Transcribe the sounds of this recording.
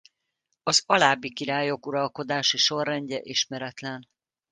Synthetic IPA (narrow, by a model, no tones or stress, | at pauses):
ɒzɒlaːbːikiɾaːjo̞kuɾɒlko̞d̪aːʃiʃo̞rːɛɲɟɛʔiʃmɛɾɛt̪lɛn